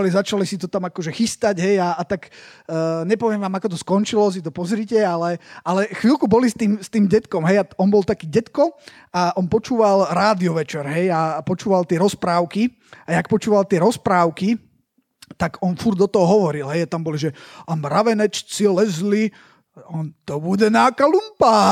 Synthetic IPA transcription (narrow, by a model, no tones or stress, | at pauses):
alizat͡ʃalisit̪ɔt̪amakɔʒɛxist̪aɟɦɛjaːt̪aɡ | ɲɛpɔʋɪɛmʋaːmakɔt̪ɔskɔnt͡ʃilɔs̬it̪ɔpɔzɾiːcɛalɛalɛxʋilkubɔlist̪iːmst̪iːmɟɛt̪kɔmɦɛjaɔnbɔlˠt̪akiːɟɛt̪kɔ | aʔɔnpɔt͡ʃuːʋalɾaːd̪iɔʋɛt͡ʃɛɾɦɛjapɔt͡ʃuːʋalt̪ɪɛɾɔspɾaːʊki | ajak̚pɔt͡ʃuːʋalt̪ɪɛɾɔspɾaːʊki | t̪aɡɔnfuɾd̪ɔt̪ɔɦɔɦɔʋɔɾilɦɛjat̪ambɔliʒɛamɾaʋɛnɛt͡ʃt͡silɛzli | ɔnt̪ɔbuɟɛnakalumpa